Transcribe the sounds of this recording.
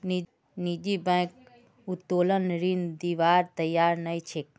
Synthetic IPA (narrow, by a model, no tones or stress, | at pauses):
ni | nid͡ʒibɛ̃ːk̚ | ʊt̪ːoːlənɾind̪iʋaːɾt̪əjaːɾnɐit͡ʃʰek